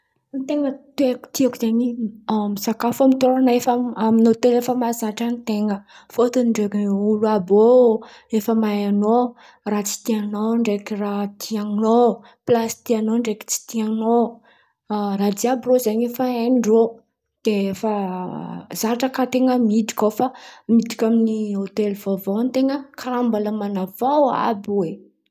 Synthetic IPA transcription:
nt̪eŋət̪ueku̥t̪iakuzaɲimisakafamit̪oɾanaefaaminot̪elefəmazaʈ͡ʂanit̪eŋə | fot̪uniɳɖ͡ʐekulabo | efəmaano | rat͡si̥t̪ianoɳɖ͡ʐekirat̪ʰiaŋno | plasi̥t̪ianoɳɖ͡ʐeki̥t͡si̥t̪iano | rad̪iabirozaɲefaenɖ͡ʐo | d̪̥eefa | z̥aaʈ͡ʂəkat̪eŋəmiti̥kʲofamiti̥kʲaminiɦot̪elvavont̪eŋəkʰaɾambaləmanavawa̰bwe

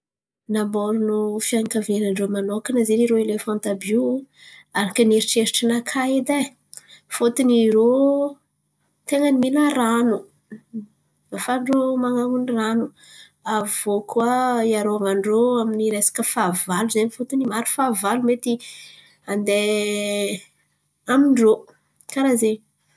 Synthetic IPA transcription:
nambolunufiaŋkavenaɳɖ͡ʐomanokanazeniɾoelefɔnt̪abu | aɾakəneɾiʈ͡ʂeɾiʈ͡ʂənakʰaed̪a | fot̪iniɾo | t̪eŋənimilaɾanu | afaɳɖ͡ʐomaŋaŋuniranu | avokʰuaiaɾoaŋaɳɖ͡ʐoaminiɾesḁkəfavaluzeɲifot̪inimaɾu̥favalumet̪i | and̪e | amiɳɖ͡ʐo | kaɾaze

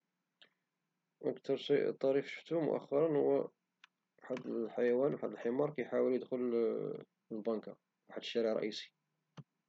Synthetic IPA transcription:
ʔə̰kt̪ɑɾˤst̪ˤːɑɾifʃə̥ft̪umʊ̰ʔæ̰xːɑɾˤɑnhʊwːæ | ħad̪əlħajæwænwħad̪əlħemɑɾˤkæjħawəljəd̪xʊl | lbɑnka̰ | wħad̪ːəʃːæɾəʕɾˤɑ̰ʔisi̥

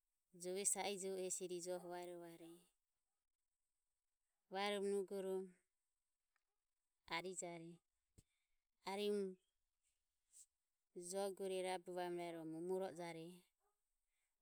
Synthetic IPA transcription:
d͡ʒɔβɛsaid͡ʒɔuɛsiɾid͡ʒɔɦɔβaɛɾɔβaɾɛ | βaɛɾɔmnuɡɔɾɔ | aɾid͡ʒaɾɛ | aɾim | d͡ʒɔɡuɾɛɾabuβamɾaɾɔmumuɾɔʔd͡ʒaɾɛ

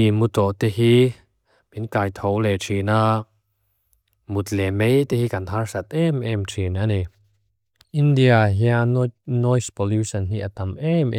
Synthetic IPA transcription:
imut̪ɔʔt̪ɛɦi | pinkaːjt̪ʰowlɛtʰina | mut̪̚lɛmejt̪ɛhikant̪ʰarsat̪̚ʔɛmʔɛmtʰinane | ʔindiaɦjanɔjspɔlusanɦiʔat̪amʔɛmʔɛ

